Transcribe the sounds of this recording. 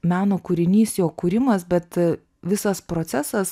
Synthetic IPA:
mʲæːnoːkuɾʲɪnʲiːsjoːkuɾʲɪmɐsbʲɛt̪ | ʋʲɪsɐspɾoːt͡s̪ʲæsɐs

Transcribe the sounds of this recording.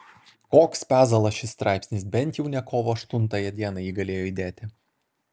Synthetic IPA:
koːkspʲæːzɐlˠɐsʃʲɪst̪ɾʔɑˑɪpʲsʲnʲɪsbʲɛnʲt̪ʲjɛʊnʲɛkoːʋoːɐʃt̪ʊnt̪ɐjɛd̪ʲiɛnɐjiːɡɐlʲeːjoːid̪ʲeːt̪ʲɪ

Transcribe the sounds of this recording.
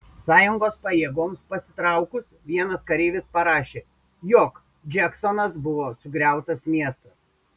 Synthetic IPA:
sɑːjʊŋɡoːspɐjeɛɡoːmspɐsʲɪt̪ɾɐˑʊkʊsʋʲiɛnɐskɐɾʲeːʋʲɪspɐɾɑːʃʲeː | joːk | d͡ʒʲɛksɔnɐsbʊʋoːsʊɡɾʲæˑʊt̪ɐsmʲiɛst̪ɐs

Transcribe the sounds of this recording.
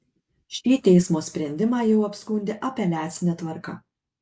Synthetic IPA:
ʃʲiːt̪ʲɛɪsmoːsʲpʲɾʲɛnʲd̪ʲɪmɑːjɛʊɐpʲskʊnʲd̪ʲɪʔɐpʲɛlʲæːt̪sʲɪnʲɛt̪ʋɐɾkɐ

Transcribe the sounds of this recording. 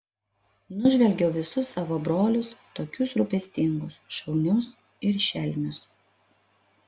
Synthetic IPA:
nʊʒʲʋʲɛlʲɡʲɛʊʋʲɪsʊsːɑːʋoːbɾoːlʲʊst̪oːkʲʊsɾʊpʲɛsʲt̪ʲɪŋɡʊsʃɒʊnʲʊs | ɪɾʃʲɛlʲnʲʊs

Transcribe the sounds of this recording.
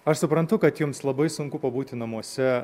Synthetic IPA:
ɐʃsʊpɾɐnt̪ʊkɐt̪jʊmslˠɐbɐɪsʊŋkʊpɐbuːt̪ʲɪnɐmuɔsʲɛ

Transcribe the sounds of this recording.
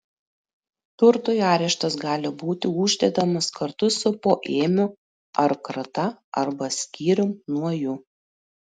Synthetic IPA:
t̪ʊɾt̪ojɑːɾʲɛʃt̪ɐsɡɑːlʲɪbuːt̪ʲɪuːʒʲd̪ʲed̪ɐmɐskɐɾt̪ʊsʊpoːʔeːmʲʊ | ɐɾkɾɐt̪ɐɐ̰ɾbɐsʲkʲiːɾʲʊmnuɔjʊ

